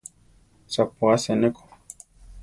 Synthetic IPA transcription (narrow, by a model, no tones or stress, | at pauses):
sapuasɛnɛkɔ̥